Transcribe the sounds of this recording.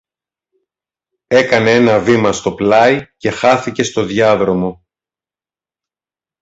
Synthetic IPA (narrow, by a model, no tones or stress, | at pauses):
e̞kɐnee̞nɐvimɐst̪o̞plɐice̞xɐθice̞st̪o̞ðʝɐðɾo̞mo̞